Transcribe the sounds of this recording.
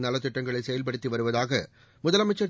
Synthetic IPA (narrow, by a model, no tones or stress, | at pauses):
nɐlɐt̪ːɪʈːɐŋɡɐɭɐɪsɛjɐlpɐɽɯt̪ːiʋɐɾɯʋɐðaːɣɐ | mʊðɐlɐmɐɪt͡ʃːɐ